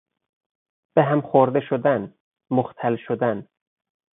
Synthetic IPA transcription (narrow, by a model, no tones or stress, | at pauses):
b̥eɦæmxoɾd̪eʃod̪æn | moxt̪ʰælʃod̪æn